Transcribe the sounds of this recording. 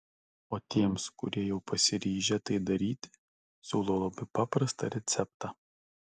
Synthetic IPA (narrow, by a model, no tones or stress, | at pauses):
oːt̪ʲiɛmskʊɾʲiɛjɛʊpɐsʲɪɾʲiːʒʲɛt̪ɐɪd̪ɐɾʲiːt̪ʲ | sʲuːlˠoːlˠɐbɐɪpɑːpɾɐst̪ɐ̰ɾʲɛt̪sʲɛp̚t̪ɑː